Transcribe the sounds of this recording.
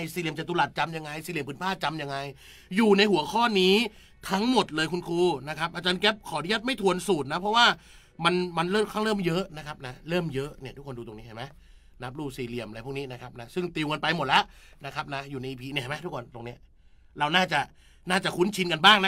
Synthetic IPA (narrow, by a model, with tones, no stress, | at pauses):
jsiː˧li˨˩əmt͡ɕa˨˩t̪u˧la˨˩t̪̚t͡ɕa˧mja˧ŋːa˧jsiː˧˦li˧˩əpʰɯː˨˩˦npʰaː˥˩t̪̚t͡ɕa˧mja˧ŋa˧j | juː˨˩na˧jhu˨˩˦ɐkʰɔː˥˩niː˦˥ | t̪ʰa˦˥ŋmo˨˩t̪̚lɤː˧jkʰu˧nkʰuː˧na˦˥kʰa˦˥p̚ʔa˧t͡ɕaː˧nkɛː˦˥p̚kʰɔː˩˦di˥˩ət̪̚ma˥˩jt̪ʰu˧ənsuː˨˩t̪̚na˦˥pʰɾɔ˦˥waː˥˩ | ma˧nma˧nɾɤː˥˩mkʰaː˥˩ŋlɤː˥˩˨mjɤ˦˥ʔna˦˥kʰa˦˥p̚na˦˥ɾɤː˥˩mjɤ˦˥ʔni˥˩t̪u˦˥kʰːo˧nduː˧t̪o˧ŋni˦˥t͡ɕa˥˩ma˦j | na˦˥p̚ɾuː˥˩siː˧li˨˩əmla˧jpʰu˥˩kni˦˥na˦˥kʰa˦˥p̚na˦˥sɯ˥˩ŋt̪iː˧˨wka˧npa˧jmo˨˩t̪̚lɛ˦˥ʔna˦˥kʰa˦˥p̚na˦˥juː˨˩na˧jʔiː˧pʰiː˧ni˧˩a˥˩ma˦t̪ʰu˦˥kʰo˧nt̪o˧ŋni˦˥ɐ | ɾa˧wnaː˥˩t͡ɕa˨˩ | naː˥˩t͡ɕa˨˩kʰu˦˥nt͡ɕʰi˧nka˧nbaː˥˩ŋna˦˥